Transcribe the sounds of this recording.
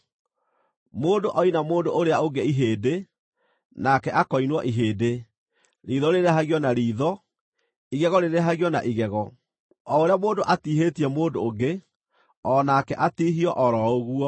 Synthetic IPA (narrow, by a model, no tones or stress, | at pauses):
moːndoʔɔinamoːdoʔoɾeaoɡeiɦeːde | nakɛʔakɔinwɔ̰ʔiɦeːde | ɾiːðɔɾeɾeaɦaɣjɔnaɾiːðɔ | iɣɛɣɔɾeɾeɦaɣjɔna̰ʔiɣɛɣɔ | ɔoɾeamoːdoʔatiːɦetiɛmoːndooɡe | ɔnakɛʔatiːɦiɔʔɔɾɔoɣuɔ